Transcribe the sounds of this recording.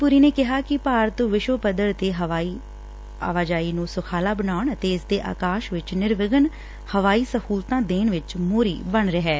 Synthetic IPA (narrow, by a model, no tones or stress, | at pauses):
puːɾiːneːkɪɦaːkɪpaːɾət̪ʋɪʃopəd̪əɾt̪eːɦʋaːi | a̰ːʋaːd͡ʒaːiːnũːsʊkʰaːlaːbənaːɳət̪eːɪsd̪eːʔa̰ːkaːʃʋɪt͡ʃnɪɾʋɪɡən | həʋaːiːsəhuːlt̪ãːd̪eːnʋɪt͡ʃmoːɾḭːbəɳɾəɦɛː